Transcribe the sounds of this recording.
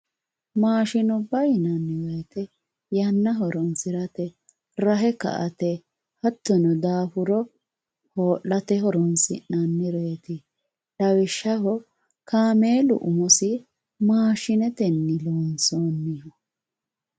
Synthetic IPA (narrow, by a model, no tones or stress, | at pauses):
maːʃɪnɔbɐjnɐnːɪwɛjt̪ɛ | jɐnːɐɦɔɾɔnsɪɾɐt̪ɛ | ɾɐɦɛkɐ̰ʔɐt̪ɛ | hɐt̪ːɔnɔd̪aːfʊɾɔ | hoːʔɐt̪ɛɦɔɾɔnsɪʔnɐnːɪɾeːt̪ɪ | lɐwɪʃːɐhɔ | kaːmeːlʊ̰ʔʊmɔsɪ | maːʃɪnɛt̪ɛnːɪloːnsoːnːɪhɔ